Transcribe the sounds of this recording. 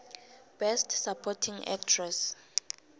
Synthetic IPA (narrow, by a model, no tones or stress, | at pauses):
b̥ɛstʰsapʰɔtʰiŋɛ̰k̚tʰrɛs